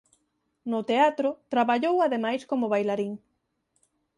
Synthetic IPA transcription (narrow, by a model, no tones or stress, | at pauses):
nʊt̪eat̪ɾʊt̪ɾaβaʎowaðemajskomoβajlaɾiŋ